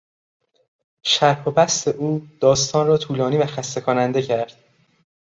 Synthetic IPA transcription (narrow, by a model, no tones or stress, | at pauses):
ʃæɾhobæst̪e̞ʔuːd̪̥ɒːst̪ʰɒːnrɒːt̪ʰuːlɒːniːvæxæst̪e̞kʰonænd̪e̞cʰæɾd̪̥̚